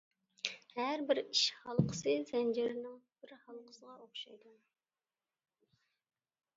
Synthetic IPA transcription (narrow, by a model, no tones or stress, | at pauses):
hæɾbɪɾiʃhɑlˠqʰə̥sɨzɛnd͡ʒɪɾɪnɪŋb̥ɪɾhɑlˠqʰə̥səʁɑoχʃɑ̰jd̪u